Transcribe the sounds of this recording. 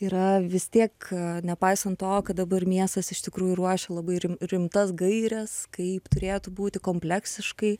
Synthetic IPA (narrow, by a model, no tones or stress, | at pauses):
iːɾɐʋʲɪst̪ʲiɛknʲɛpɐɪsɐnt̪ːoːkɐt̚d̪ɐbɐrmʲiɛst̪ɐsɪʃt̪ʲɪkɾuːjuɾuɔʃʲɛlˠɐbɐɪɾʲɪmɾʲɪmt̪ɐsɡɐɪɾʲɛskɐɪpt̪ʊɾʲeːt̪ubuːt̪ʲɪkoːmʲpʲlʲɛksʲɪʃkɐɪ